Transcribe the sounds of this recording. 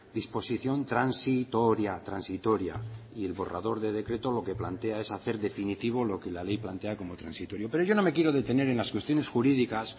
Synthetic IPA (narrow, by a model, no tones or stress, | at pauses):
d̪ispo̞siθjo̞nt̪ɾansit̪oɾjat̪ɾansit̪o̞ɾja̰ie̞lβo̞ra̰ðo̞ɾðe̞ð̞e̞kɾe̞t̪o̞lo̞ke̞plant̪e̞ae̞saθe̞ɾðe̞finit̪iβ̞o̞lo̞ke̞lale̞jplant̪e̞ako̞mo̞t̪ɾansit̪o̞ɾjo̞pe̞ɾo̞jʝo̞no̞me̞kje̞ɾoð̞e̞t̪e̞ne̞ɾe̞nlaskwe̞st̪jo̞ne̞sxuɾiðikas